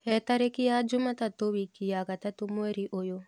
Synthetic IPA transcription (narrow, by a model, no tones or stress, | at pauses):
hɛt̪aɾekijad͡ʒumat̪at̪owikijaɡat̪at̪umueɾiʔojo